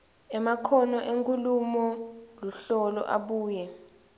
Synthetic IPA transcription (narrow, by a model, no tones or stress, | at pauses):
ɛmakʰɔnɔʔeŋkʼulumɔluɬɔlɔ̰ʔa̰ɓuːjɛ